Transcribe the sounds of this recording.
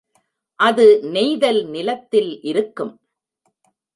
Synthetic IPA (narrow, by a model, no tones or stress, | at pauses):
ʔɐðɯnɛɪðɐlnɪlɐt̪ːɪlʔɪɾɯkːɯm